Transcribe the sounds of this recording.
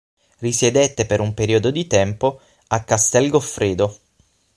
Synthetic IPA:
risjed̪et̪ːepeɾumpeɾiod̪od̪it̪ɛmpo | akːast̪ɛlɡofɾeːd̪o

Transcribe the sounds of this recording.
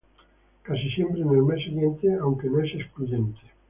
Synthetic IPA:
kasisembɾenelmɛsːeɣjent̪eawŋkenõɛsesplud̪ɛnt̪ʰe̥

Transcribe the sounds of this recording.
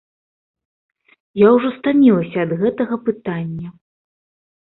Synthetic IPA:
jawʐɔst̪amʲilˠɐsʲɐːd̪ɣɛt̪ɐɣɐpɨt̪anʲːɐ

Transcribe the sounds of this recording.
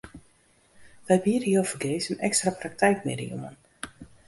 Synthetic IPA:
ʋɛjbiədəjowfəɡeːsənɛkstraprak̚tɛjkmɪ̰dḭjo̰mən

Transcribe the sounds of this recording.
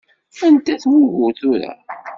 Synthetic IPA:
ænt̪æθwʊvʊθuɾæ̰

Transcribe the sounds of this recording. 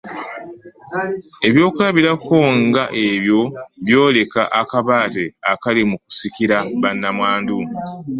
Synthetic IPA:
e̞βjo̞ːkulaβiɾako̞ŋɡaʔe̞βjo̞βjo̞ːle̞kaʔakaβaːte̞akalimuku̥sikiɾaβanːamwaːndu

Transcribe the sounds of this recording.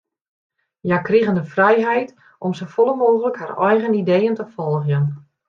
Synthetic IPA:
jakriɣəndəfrɛjɦɛjt | ʔɔmsofɔlˠəmoːɣələkharɔjɣənidejəntəfɔlˠɣjən

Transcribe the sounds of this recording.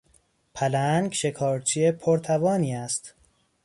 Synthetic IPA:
pʰælæŋɡʃe̞kʰɒːɾt͡ʃʰiepʰoɾt̪ʰævɒːniːæst̪

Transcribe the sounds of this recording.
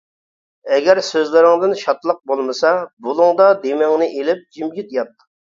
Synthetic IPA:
ɛɡʲæɾsøzlɪɾɪŋd̪ɪnʃɑt̪lˠəq̚bolˠmɨsɑbulˠʊŋd̪ɑd̪emɪŋnɪʔelɪp̚d͡ʒimɡʲit̪jɑt̪ː

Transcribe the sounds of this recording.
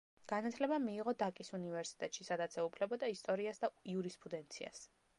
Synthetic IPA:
ɡ̥anat̪ʰlɛbamiːʁɔd̪akʼisunivɛɾsi̥t̪ʼɛt̪ʼʃisad̪at̪sʰɛupʰlɛbɔd̪aist̪ʼɔɾiasd̪aiuɾispʼɾud̪ɛnt̪sʰia̰s

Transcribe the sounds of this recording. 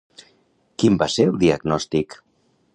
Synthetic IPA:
kimbaseəlˠd̪iaɡnɔst̪ik

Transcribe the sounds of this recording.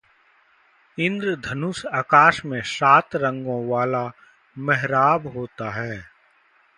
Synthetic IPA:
ɪ̃nd̪ɾd̪ʱɐnʊsaːkaːʃmẽsaːt̪ɾə̃ŋɡõʋaːla | mɛɦɾaːbɦoːt̪aɦɛː

